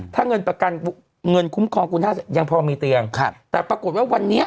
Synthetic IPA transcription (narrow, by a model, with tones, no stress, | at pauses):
t̪ʰaː˥˩ŋɤ˧npɾa˧ka˧n | ŋɤ˧nkʰu˦˥mkʰɔː˧ŋkʰu˧nhaː˥˩t͡ɕa˨˩ja˧ŋpʰɔː˧miː˧t̪i˧əŋkʰt̪ɛː˨˩pɾa˧ku˨˩t̪̚waː˥˩wa˧nːi˦˥ɐ